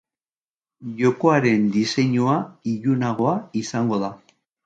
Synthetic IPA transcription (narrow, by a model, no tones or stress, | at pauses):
ʝo̞ko̞aɾe̞nd̪ise̞ɲuaiʎunaɣ̞o̞aisaŋɡo̞ða